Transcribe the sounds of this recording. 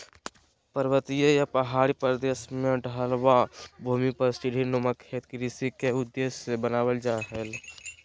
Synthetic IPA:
pəɾwət̪ijəjapɐɦaːɽipɾəd̪eːʃmẽɖʱalʋabʱuːmipɐɾsiɖinoməkʰeːt̪kɾisikeʊd̪ːeːsebənaːwəld͡ʒaːɦel

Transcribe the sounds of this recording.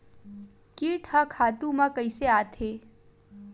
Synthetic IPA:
kiːʈʰakʰaːt̪ũmãkəɪseaːt̪ʰe

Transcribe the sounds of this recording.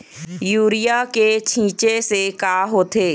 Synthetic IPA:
juːɾɪjaket͡ʃʰĩːt͡ʃesekaːɦoːt̪ʰeː

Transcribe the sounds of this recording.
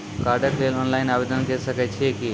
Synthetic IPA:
kaːɾɖəkʋeːloːnlaɪnaːʋeːd̪ənkesɐkət͡ʃʰieki

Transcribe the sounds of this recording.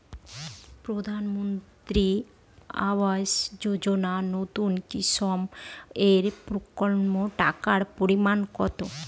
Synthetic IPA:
pɾod̪ʱanmont̪ɾi | a̰wasd͡ʑod͡ʑonanot̪unkisɔmeɾpɾokolmoʈakaɽpoɾimankɔt̪o

